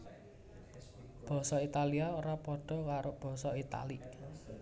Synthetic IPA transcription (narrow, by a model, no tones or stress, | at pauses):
b̥ɔ̤sɔit̪aliaoɾapɔɖ̥ɔ̤kaɾob̥ɔ̤sɔit̪a̰li